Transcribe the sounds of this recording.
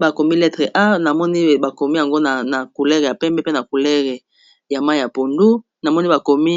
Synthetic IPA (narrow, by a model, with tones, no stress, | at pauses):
ba˨ko˨mi˦lɛ˦tʁe˨ʔa˦na˨mɔ˦ni˦ba˨ko˨mi˦ja˨ŋɡo˦na˨na˨ku˨lɛ˦ʁɛ˨ja˨pɛ˦mbɛ˦pe˦na˨ku˨lɛ˦ʁɛ˨ | ja˨ma˦˨ja˨po˨ndu˦ | na˨mɔ˦ni˦ba˨ko˨mi˦